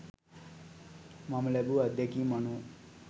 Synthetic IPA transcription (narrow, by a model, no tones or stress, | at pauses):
mʌmlebuʌd̪jʌkimʌnu